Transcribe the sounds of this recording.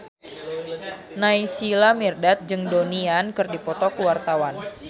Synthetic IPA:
naisilamirdat̪̚d͡ʒɨŋdoniankɨrdipɔt̪ɔkuwart̪awan

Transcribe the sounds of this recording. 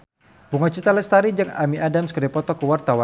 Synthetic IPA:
buŋɔt͡ʃit̪alɛst̪aɾid͡ʒəŋa̰miadamskərdapɔt̪ɔkəwart̪awan

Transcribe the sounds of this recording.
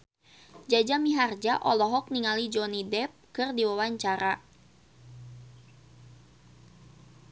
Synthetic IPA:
d͡ʒad͡ʒamiɦard͡ʒaʔɔlɔɦɔk̚niŋalid͡ʒɔnidɛp̚kɨrdiwawaɲt͡ʃaɾa

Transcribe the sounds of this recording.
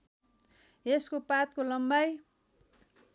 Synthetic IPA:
eskopat̪̚kolʌmbaj

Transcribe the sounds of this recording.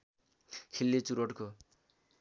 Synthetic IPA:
kʰilːet͡suɾoʈko

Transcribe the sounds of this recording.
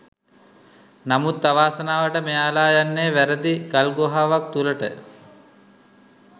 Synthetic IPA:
namut̪ːaʋaːsənaːʋəʈəmejaːlaːjanːeːʋæɾəd̪iɡalɡoɦaːʋakt̪uləʈə̰

